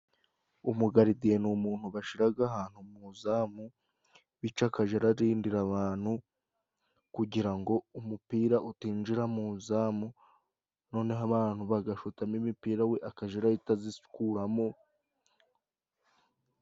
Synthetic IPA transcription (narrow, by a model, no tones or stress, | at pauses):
umuɡaɾidienumuːn̥huβaʃiɾaɡaɦaːn̥humuzaːmu | βit͡ʃakaʒeɾaɾiːndiɾaβaːn̥hu | kuɟiɾaŋɡo̞umupiːɾaʔutiːnd͡ʒiɾamuzaːmu | no̞ːne̞ɦaβaːn̥huβaɡaʃutamimipiːɾawe̞ʔakaʒeɾaitazisu̥kuɾamo̞